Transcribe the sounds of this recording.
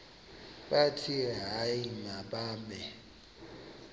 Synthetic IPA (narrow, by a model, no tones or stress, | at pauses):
ɓatʰiɦaiŋaɓaːmɛ